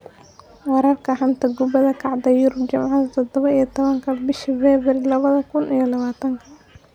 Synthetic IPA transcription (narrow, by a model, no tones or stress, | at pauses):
wɑɾɐrkʰɐħɐnt̪ʰɐɡʊbɐðɐkʰɑʕd̪ɐjʊɾʊbt͡ʃɐmʕɑðɐt̪ʰɔd̪ɔβɐijɐt̪ʰɔβɐŋkʰɐbɪʃivɛːβɐɾɪlɐβɐðɐkʰʊnijɔlɐβaːt̪ʰɐŋkʰɐ